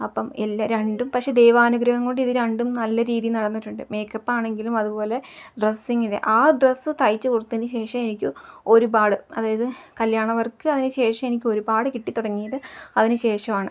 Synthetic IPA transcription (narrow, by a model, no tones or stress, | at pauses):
ɐpːɐmelːaɾeɳɖumpɐkʂed̪e̞ːʋaːnuɡɾɐɦɐŋkoɳɖiðɨɾɐɳɖumnɐlːɐɾiːðijɨnɐɽɐnːiʈːuɳɖɨme̞ːkːɐpːaːɳe̞ŋɡilumɐðupo̞ːle̞ɖresːiŋːiɽḛʔaːɖresːɨt̪ɐjt͡ɕːɨkurut̪ːinɨɕe̞ːʂɐme̞nikʲːɨo̞ɾubaːɽɨɐðaːjɐðɨkɐljaːɳɐʋɐrkɨɐðinɨɕe̞ːʂɐme̞nikʲːɨo̞ɾubaːɽɨkiʈːit̪ːuɽɐŋːijɐðɨɐðinɨɕe̞ːʂɐmaːɳɨ